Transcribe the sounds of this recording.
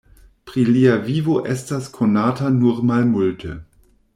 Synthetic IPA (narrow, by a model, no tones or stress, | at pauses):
pʁiliavivoʔɛstaskʰonaːtanuʁmalmultʰə